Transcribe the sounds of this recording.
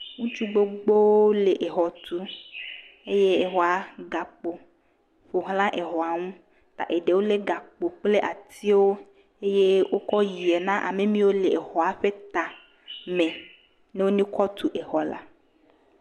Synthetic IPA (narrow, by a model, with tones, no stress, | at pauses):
ŋũ˦t͡ʃu˦ɡ͡bo˦ɡ͡bo˦wo˦le˨ʔe˨ɦɔ˨t̪u˦ | e˦je˦e˨ɦɔ˨a˨ɡa˨k͡po˨ | ɸo˨ɦlã˦ʔe˨ɦɔ˨a˨ŋũ˦ | t̪a̰˨ʔe˨ɖe˨wo˦le˦ɡa˨k͡po˨k͡ple˦ʔa˨t̪i˦wo˦ | e˦je˦wo˦kɔ˦ji˨e˨nã˦ʔa˨me˦mĩ˦wo˦le˨e˨hɔ˨a˨ɸe˦t̪a˨ | mẽ˨ | ne˦wo˦nĩ˦kɔ˦t̪u˨ʔe˨xɔ˨la̰˨